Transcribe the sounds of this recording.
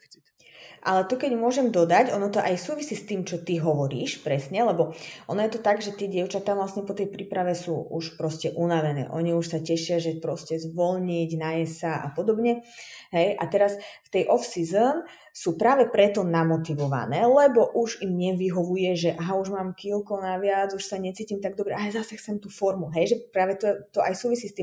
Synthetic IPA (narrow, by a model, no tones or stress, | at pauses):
ʔa̰lɛt̪ukɛɟmʊɔʒɛmd̪ɔd̪acɔnɔt̪ɔʔajsuːʋisiːst̪iːmt͡ʃɔt̪iɦɔʋɔɾḭːʃpɾɛsɲɛlɛbɔʔɔnɔjɛt̪ɔt̪aɡʒɛt̪ɪɛɟɪɛʊt͡ʃat̪aːʋlasɲɛpɔt̪ɛjpɾiːpɾaʋɛsuːuʃpɾɔscɛʔunaʋɛnɛ̰ːʔɔɲiuʃsacɛʃɪaʒɛpɾɔscɛzʋɔlɲiɟnajɛsaʔa̰pɔd̪ɔbɲɛɦɛjʔat̪ɛɾasft̪ɛjʔɔfsizən | suːpɾaːʋɛpɾɛt̪ɔnamɔt̪iʋɔʋa̰nɛ̰ːlɛbɔʔuʒimɲɛʋiɦɔʋujɛʒɛʔaɦauʒmaːmkiːlkɔnaʋɪad͡zuʃsaɲɛt͡siːcimt̪aɡ̚d̪ɔbɾɛʔazasɛxt͡sɛmt̪uːfɔɾmuɦɛjʒɛpɾaːʋɛt̪ɔt̪ɔʔajsuːʋisiːst̪iːm